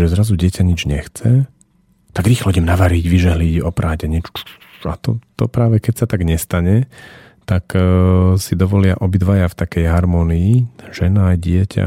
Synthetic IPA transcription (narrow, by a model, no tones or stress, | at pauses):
ʒɛzɾazuɟɪɛcaɲid͡ʒɲɛxt͡sɛ | t̪aɡɾiːxlɔɟɛmnaʋaɾiɟʋiʒɛɦliɟɔpɾʔaːɟaɲɛt͡ʃ | at̪ɔt̪ɔpɾaːʋɛkɛcsat̪aɡɲɛst̪aɲɛ | t̪ak | sid̪ɔʋɔlɪaʔɔbid̪ʋajaft̪akɛjɦaɾmɔːniːʒ̥ɛnaːjɟɪɛcʰa̰